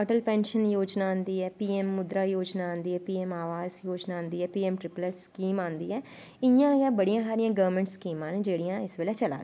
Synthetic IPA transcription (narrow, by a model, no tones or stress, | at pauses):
əʈəlpɛ̃ːnʃənjoːd͡ʒnaːãːnd̪iːɦɛːpiːɛːmːʊd̪ɾaːjoːd͡ʒnaːãnd̪iːɦɛːpiːɛːmaːʋaːzjoːd͡ʒnãːnd̪iːɦɛːpiːɛːmʈɾɪpləɾskiːmãːnd̪iːɦɛː | ɪjãːjaːbəɽijãːɦaːɾɪjãːɡəʋəɾmɛ̃ːɳʈskiːmãːned͡ʒeːɽijãːɪsʋeːlɛːt͡ʃəla̰ːd̪̃